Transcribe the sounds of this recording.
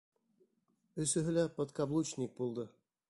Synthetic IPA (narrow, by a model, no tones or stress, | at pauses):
ɵ̆sɘ̆ɦɘ̆lʲæpɤ̆t̪kɑblˠut͡ɕnʲik̚bulˠd̪ɤ̆